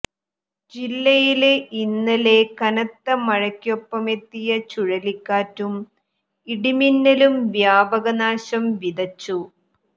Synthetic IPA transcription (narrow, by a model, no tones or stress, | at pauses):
d͡ʑilːɐjileinːɐle̞kɐnɐt̪ːɐmɐɻɐkʲːjopːɐme̞t̪ːijɐt͡ɕuɻɐlikːaːtːum | iɽiminːɐlumʋjaːbɐɣɐnaːɕɐmʋid̪ɐt͡ɕːu